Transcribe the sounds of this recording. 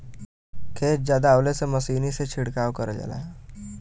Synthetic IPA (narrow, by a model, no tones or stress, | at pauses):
kʰeːt͡ʃd͡ʒjaːd̪aoːlesemɐsiːniset͡ʃʰɪɽkaːwkəɾd͡ʒa̰la̰ɛ